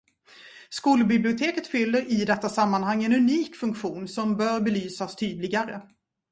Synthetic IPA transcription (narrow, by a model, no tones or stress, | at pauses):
skuːlbɪblɪʊt̪ʰeːkət̪fʏlːəɾʔɪd̪ɛt̪ːasamːanhaŋːɛnɵniːkfɵŋkɧuːnsɔmbœːɾbɛlyːsast̪ʰyːd̪lɪɡaɾə